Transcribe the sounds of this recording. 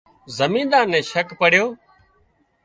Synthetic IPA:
zəmĩːnd̪aːnɛ̃ːʃəkpəɽ̤ɪjoː

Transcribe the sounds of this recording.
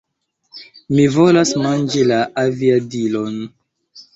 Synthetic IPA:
mivo̞lasmand͡ʒilaʔaviadilon

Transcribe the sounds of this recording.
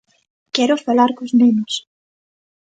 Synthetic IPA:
kɛɾʊfalaɾkoznenʊs

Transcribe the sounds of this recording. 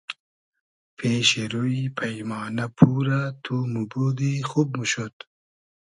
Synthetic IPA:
pʰeːɕeɾoipʰɐjmɑːnɐpʰuːɾat̪ʰumubod̪exub̚muɕot̪

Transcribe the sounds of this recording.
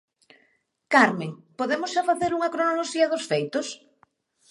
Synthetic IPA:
kaɾmeŋpoðemʊsʃafaθeɾuŋɐkɾonoloʃiɐðʊsfejt̪ʊs

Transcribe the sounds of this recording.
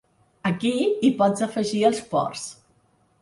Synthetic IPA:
əkiipɔd͡zəfəʒiəlˠspɔ̰rs

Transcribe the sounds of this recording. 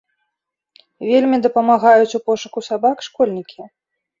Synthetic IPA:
vʲelʲmʲid̪ɐpɐmaɣajut͡sʲupɔʂukusabakʂkɔlʲnʲikʲi

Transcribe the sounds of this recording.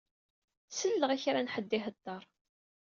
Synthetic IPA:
səlːəʁæçɾanħəd̪ːɪɦəd̪ːɑɾˤ

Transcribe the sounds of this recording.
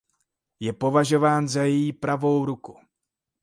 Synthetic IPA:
jɛpo̞vaʒo̞vaːnzajɛjipɾavo̞wɾuku

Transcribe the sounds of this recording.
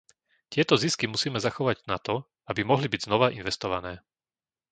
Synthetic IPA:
c̪ɪɛt̪ɔziskimusiːmɛzaxɔʋaɟnat̪ɔ | abimɔɦlibiɟznɔʋaʔinʋɛst̪ɔʋanɛː

